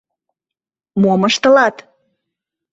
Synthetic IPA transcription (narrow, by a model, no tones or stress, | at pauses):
moməʃt̪əlɑt̪